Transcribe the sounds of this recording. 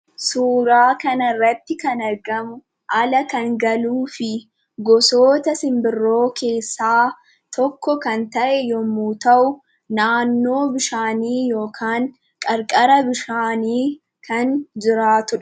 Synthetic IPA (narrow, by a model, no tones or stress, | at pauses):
suːɾaːkɐnɐrːɐt̪ːɪkɐnɐɾɡɐmʊ | ʔɐlɐkɐŋɡɐluːfɪ | ɡɔso̞ːt̪ɐsɪmbɪrːo̞ːkʰe̞ːsːaː | t̪ʰɔkːɔkɐnt̪ɐʔɛjɔmuːt̪ɐʔʊ | naːnːo̞ːbɪʃaːniːjo̞ːkʰaːŋ | kʼɐɾkʼɐɾɐbɪʃaːniː | kʰɐnd͡ʒɪɾaːt̪ʊᶑ